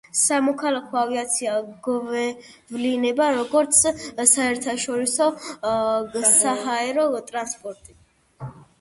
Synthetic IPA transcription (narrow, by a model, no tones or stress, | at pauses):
samɔkʰalakʰɔaviat̪sʰiaɡvɛ | vlinɛbaɾɔɡɔɾt̪sʰsaɛɾt̪ʰaʃɔɾisɔ | saɦaɛɾɔt̪ʼɾanspʼɔɾt̪ʼi